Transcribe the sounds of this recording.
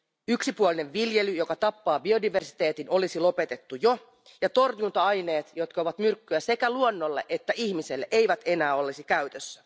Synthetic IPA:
yksipuolineʋʋilje̞lyjo̞kɑt̪ɑpːɑːbio̞diʋe̞rsi̥t̪e̞ːt̪ino̞lisilo̞pe̞t̪e̞t̪ːujo̞ | jɑt̪o̞rjunt̪ɑɑjne̞ːt̪jo̞t̪kɑoʋɑt̪myrkːyæse̞kæluonːolːe̞ʔet̪ːæʔiçmiselːeʔe̞jʋæt̪e̞næːo̞lːisikæyt̪øsːæ̥

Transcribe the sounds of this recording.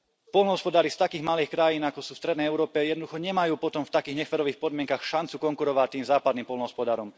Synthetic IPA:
pɔlnɔɦɔspɔd̪aːɾist̪akiːɣmaliːxkɾajiːnakɔsuːfst̪ɾɛd̪nɛjɛʊɾɔːpɛjɛd̪nɔd̪uxɔɲɛmajuːpɔt̪ɔmft̪akiːɣɲɛxʋɛɾɔʋiːxpɔd̪mɪɛŋkaxʃant͡sukɔŋkuɾɔʋat̪iːmzaːpad̪niːmpɔlnɔɦɔspɔd̪aːɾɔm

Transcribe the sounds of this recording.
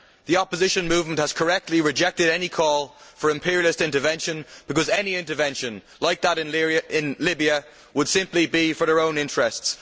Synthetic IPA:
ðiɑpəzɪʃə̃nmuːvmə̃nʔhəz̥kʰə˞ɛk̚tʰˡliɹɪd͡ʒɛk̚tɪɾɛnikʰɔːlˠfə˞ɪ̃mpʰɪɹilɪstɪ̃ntəvɛ̃nʃə̃nb̥ɪkʌzɛniɪ̃ntə˞vɛ̃nʃə̃nlaɪk̚ðəɾɪ̃nlɪ̃nlɪbiə | wəd̥sɪ̃mplibifə˞ðə˞õʊ̃nɪ̃nt͡ʃɹ̥ɛsts

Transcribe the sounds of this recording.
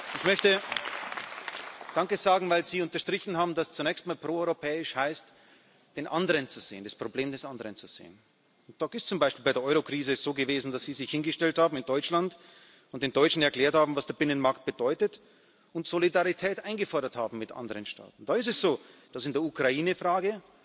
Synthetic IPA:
ɪçmœçtə | d̥aŋkəz̥aːɡŋ̩vaɪlziːʊntɐʃtʁ̥ɪçn̩haːbm̩dast͡sunɛːçstmaːlpʁ̥oːɔʏʁopʰɛːɪʃhaɪst | d̥eːnʔandəʁənt͡suz̥ḛːənd̥aspʁ̥obleːmdɛsʔandəʁənt͡suz̥ḛːən | ʊnd̥ɔɪstt͡sʊmbaɪʃpiːlbaɪdeɐʔɔʏʁokʁ̥iːzəsz̥oːɡəveːzn̩d̥asz̥iːzɪçhɪnɡəʃtɛlthaːbm̩ɪndɔʏt͡ʃlant | ʊnt̚d̥eːndɔʏt͡ʃn̩ɛɐklɛːɐthaːbm̩vasd̥eːɐbɪnənmaɐkt̚b̥əd̥ɔʏtət | ʊntz̥olidaʁitʰɛːtʔaɪnɡəfɔɐɾɐthaːbm̩mɪtʔa̰ndəʁənʃtʰa̰ːtn̩d̥aːɪstɛsz̥oːd̥asɪndeːɐukʁ̥aiːnəfʁaːɡə

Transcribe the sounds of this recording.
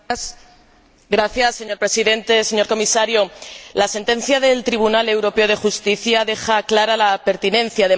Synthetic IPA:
ɡɾaθjasːe̞ɲo̞ɾpɾe̞siðe̞nt̪e̞se̞ɲo̞ɾko̞misaɾjolase̞nt̪ẽ̞n̟θjaðe̞lt̪ɾiβ̞unale̞wɾo̞pe̞o̞ð̞e̞xust̪iθjaðe̞xaklaɾalape̞ɾt̪inẽ̞n̟θjaðe

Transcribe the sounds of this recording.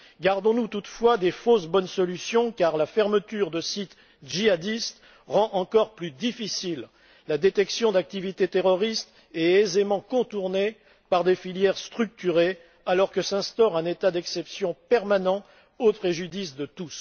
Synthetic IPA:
ɡaʁd̪ɔ̃nut̪ut̪fwad̪efosbɔnsɔlysjɔ̃kaʁlafɛʁmət̪yʁd̪əsit̪ | ʒiad̪ist̪ | ʁɑ̃ʔɑ̃kɔʁplyd̪ifisilː | ad̪et̪ɛksjɔ̃d̪ak̚t̪ivit̪et̪eʁɔʁist̪ | ɛːzemɑ̃kɔ̃t̪uʁne | paʁd̪efiljɛʁst̪χyk̚t̪yʁe | alɔʁkəsɛ̃st̪ɔʁɛ̃net̪ad̪ɛksɛpsjɔ̃pɛʁmanɑ̃ | opχeʒyd̪isd̪ət̪us

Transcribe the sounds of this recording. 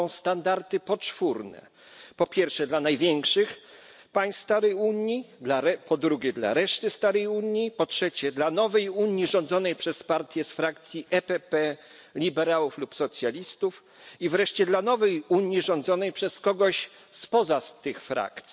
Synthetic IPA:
ɔ̃w̃st̪and̪aɾt̪ɘpɔt͡ʂfuɾnɛ̰ | pɔpʲjɛɾfʂɛd̪lanajvʲjɛŋkʂɘx | paj̃sst̪aɾɛjuɲid̪laɾɛpɔd̪ɾuɡʲɛd̪la̰ɾɛʂt̪ɘst̪aɾɛjuɲjipɔtʂɛt͡ɕɛd̪lanɔvɛjuɲjiʐɔ̃nd̪zɔnɛjpʂɛspaɾt̪ʲjɛsfɾak̚t̪sʲjiʔɛpɛpɛ | lʲibɛɾawuflupsɔt̪sʲjalʲist̪uf | ivɾɛʂt͡ɕɛd̪lanɔvɛjuɲjiʐɔ̃nd̪zɔnɛjpʂɛskɔɡɔɕ | spɔzast̪ɘxfɾa̰kt̪sʲ

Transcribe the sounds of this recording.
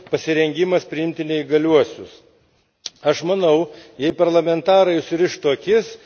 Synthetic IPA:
pɐsʲɪɾʲɛŋʲɡʲɪmɐspʲɾʲɪɪmʲt̪ʲɪnʲɛɪɡɐlʲuɔsʲʊs | ɐʃmɐnɐʊjɛɪpɐɾlˠɐmʲɛnt̪ɑːɾɐɪʊʃsʲɪɾʲɪʃt̪oːkʲɪs

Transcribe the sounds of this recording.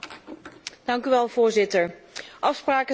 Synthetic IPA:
d̥ɑŋkyʋɛlˠv̥ʊːɹzɪtəɹʔɑfspraːkə

